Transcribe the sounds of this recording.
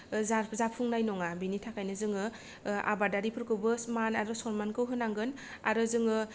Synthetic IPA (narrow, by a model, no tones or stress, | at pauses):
zazapʰːuŋnajnɔŋabinitʰakʰajnɯzɯŋɯ | a̰badaɾipʰɯɾkɯwbɯsmanaɾɯsɔɾmankɯwɦɯnaŋɡɯn | a̰ɾɯzɯŋɯ